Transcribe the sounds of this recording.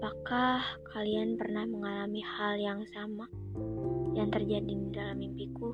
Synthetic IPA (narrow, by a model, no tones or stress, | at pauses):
apakahkʰalianpərnahməŋalamihaljaŋsama | jaŋt̪ərd͡ʒadindalamimpiku